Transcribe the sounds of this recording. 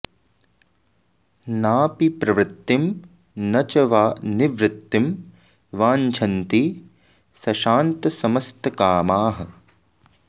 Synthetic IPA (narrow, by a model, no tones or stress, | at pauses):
naːpipɾɐʋɾɪt̪ːim | nɐt͡ʃɐʋaːniʋɾɪt̪ːim | ʋaːɲt͡ʃʰɐnt̪i | sɐʃaːnt̪ɐsɐmɐst̪ɐkaːmaːɦɐ